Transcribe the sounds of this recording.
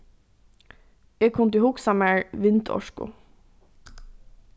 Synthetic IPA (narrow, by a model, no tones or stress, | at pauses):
eːɡkʰʊnt̪ɪhʊksɑmæɹʋɪnt̪ʰɔ̰ʃkʊ̰